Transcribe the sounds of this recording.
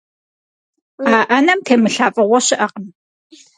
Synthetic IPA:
aːʔɐnɐmtʰeːmɨɬaːfʼɨʁʷɔɕɪʔɐqəm

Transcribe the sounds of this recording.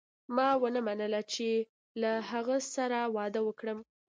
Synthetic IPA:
mɑwənəmanəlat͡ʃe | laɦaɣəsaɾawɑd̪əwəkɽəm

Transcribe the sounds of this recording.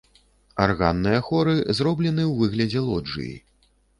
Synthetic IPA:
arɣa̰nːɨjɐxɔɾɨzɾɔblʲɛnɨwvɨɣlʲɐd͡zʲɛlˠɔd͡ʐɨ̰jḭ

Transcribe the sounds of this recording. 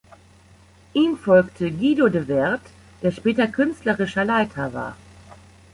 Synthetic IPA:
ʔiːmfɔlktʰəɡiːdodəvɛɐt | d̥eːɐʃpɛːtɐkʰʏnstlɐʁɪʃɐlaɪtʰɐva̰ːɐ

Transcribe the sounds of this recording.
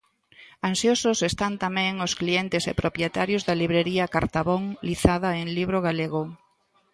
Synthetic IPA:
ansjososest̪ant̪amɛ̃ŋosklient̪esḛpɾopjet̪aɾjozðaliβɾeɾiakaɾt̪aβoŋliθaðaeŋliβɾoɣaleɣo

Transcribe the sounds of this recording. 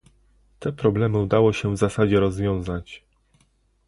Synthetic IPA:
t̪ɛpɾɔblɛmɘud̪awɔɕɛvzasad͡ʑɛɾɔzvʲjɔ̃w̃zat͡ɕ

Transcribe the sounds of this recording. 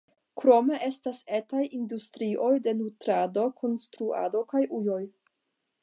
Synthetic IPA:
kɾo̞me̞ʔe̞stase̞tajindustɾiʔo̞jde̞nutɾado̞kʰo̞nstɾua̰do̞kajʔujo̞j

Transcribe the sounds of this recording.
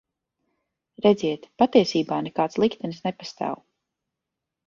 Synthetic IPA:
ɾɛd̪ziɛt̪pat̪iɛsiːbaːnɛkaːt̪slˠikt̪ɛnsnɛpast̪a̰ːw

